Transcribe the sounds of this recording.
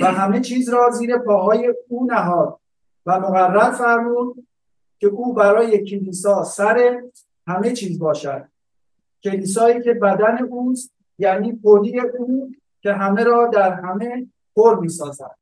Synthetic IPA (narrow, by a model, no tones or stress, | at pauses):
væɦæme̞t͡ʃʰiːzɾɒːziːɾe̞pʰɒːɦɒːje̞uːnæɦɒːd̪̚ | væmoɣærːæɾfæɾmuːd̪ | cʲʰe̞ʔuːbæɾɒːje̞cʰeliːsɒːsæɾe̞ | hæme̞t͡ʃʰiːzbɒːʃæd̪̥̚ | cʲʰe̞liːs̬ɒːiːcʰʲe̞bæd̪æne̞ʔuːst̪̚ | jæniːpʰoliːeʔuː | cʰʲe̞ɦæme̞ɾɒːd̪æɾɦæme̞ | pʰoɾmiːsɒːzæ̰d̪̥